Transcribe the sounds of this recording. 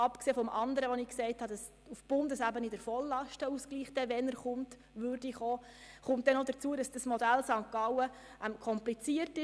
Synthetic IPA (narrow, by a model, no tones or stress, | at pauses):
ɑpkseːfɔmʔɑnd̪əɾəʋɔnɪːksɛɪthɑdɑs | ufb̥ʊndəsæbənɪdəɾfɔlːɑʃtəuskliːχtɛʋɛnəɾχʊmt | ʋʏɾdiχoːχʊmtd̥ɛnɔdət͡suːəɾɑsd̥əsmɔdælsɑŋkɑwə | ɛmkʰɔmplit͡siəɾtɪ